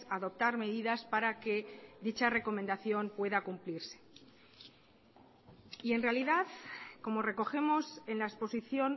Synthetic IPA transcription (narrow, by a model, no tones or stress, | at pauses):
saðo̞p̚t̪aɾmeðiðaspaɾake̞ðit͡ʃare̞ko̞mend̪aθjo̞mpwe̞ðakumpliɾse̞̥ | ie̞nre̞aliðaðko̞mo̞re̞ko̞xe̞mo̞se̞nlaespo̞siθjo̞n